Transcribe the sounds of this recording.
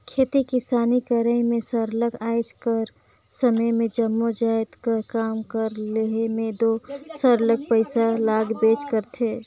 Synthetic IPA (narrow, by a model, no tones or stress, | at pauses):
kʰeːt̪ikɪsaːnikəɾəĩmẽsəɾləɡaːɪd͡ʒkəɾ | səməjmẽd͡ʒəmːod͡ʒaːɪt̪kəkaːmkəɾleɦemẽd̪oːsəɾləɡ̚pəɪsalaːɡbeːt͡ʃkəɾt̪ʰeː